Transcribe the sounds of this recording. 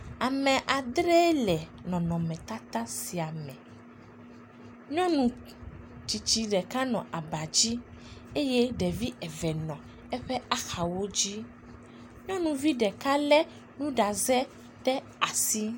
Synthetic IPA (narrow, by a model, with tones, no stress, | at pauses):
a˨mɛ̃˨ʔa˨d̪ɾɛ˦lɛ˨nɔ̃˨nɔ̃˨mɛ̃˨t̪a˦t̪ã˦si˨a˨mɛ̰̃˨ | ɲɔ̃˦nũ˨ | t͡ʃi˨t͡ɕi˦ɖɛ˨ka˦nɔ̃˨ʔa˨ba˨d͡ʑi˦e˦je˦ɖɛ˨vi˦ɛ˨vɛ˨nɔ̃˨ | ɛ˦ɸɛ˦a˦xa˨wo˦d͡ʑi˦ | ɲɔ̃˦nũ˨vi˦ɖɛ˨ka˦lɛ˦ | nũ˦ɖa˨zɛ˦ | t̪ɛ˦ | a˨si˦